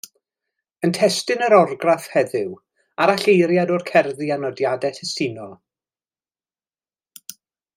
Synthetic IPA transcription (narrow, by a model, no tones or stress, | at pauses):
əntʰɛstɨnəɾɔrɡrafhɛðɪw | aɾaɬejɾjadorkʰɛrðianɔdjadɛtʰɛstɪnɔ